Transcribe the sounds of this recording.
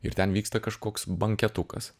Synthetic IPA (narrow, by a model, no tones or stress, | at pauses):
ɪ̰ɾt̪ʲɛnʋʲiːkst̪ɐkɐʃkoːksbɐŋʲkʲɛt̪ʊkɐ̰s